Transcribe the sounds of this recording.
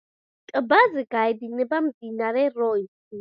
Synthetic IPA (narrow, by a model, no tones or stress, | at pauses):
tʼəbazɛɡajdinɛbam̩dinaɾɛɾɔis